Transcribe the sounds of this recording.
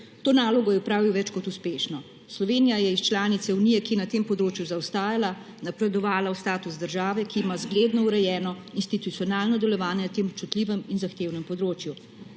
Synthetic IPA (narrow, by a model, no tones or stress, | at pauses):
t̪oːnaːlɔɡɔjɛupɾaːʋiwʋɛt͡ʃkɔt̪uspeːʃnɔ | slɔʋeːnijajɛist͡ʃlaːnit̪sɛunijɛkijɛnat̪eːmpɔd̪ɾoːt͡ʃjuzawst̪aːjala | napɾɛd̪ɔʋaːlaust̪aːt̪uzd̪əɾʒaːʋɛkiːmazɡleːd̪nɔuɾɛjɛːnɔinst̪it̪ut̪sijɔnaːlnɔd̪ɛlɛʋaːnjɛnat̪eːmɔpt͡ʃut̪liːʋɛminzaxt̪eːwnɛmpɔd̪ɾoːt͡ʃju